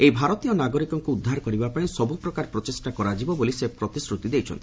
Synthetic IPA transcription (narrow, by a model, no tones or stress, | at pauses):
ejbʱaɾɔt̪ijɔnaɡɔɾikɔŋkuud̪ʱːaɾkɔɾibapaĩsɔbupɾɔkaɾpɾɔt͡ʃesʈakɔɾad͡ʒibɔbolisepɾɔt̪isɾut̪id̪ejt͡ʃʰɔ̰nt̪i